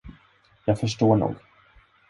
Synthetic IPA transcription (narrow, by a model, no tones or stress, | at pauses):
jɑːɡfœʂʈoːɳṵːɡ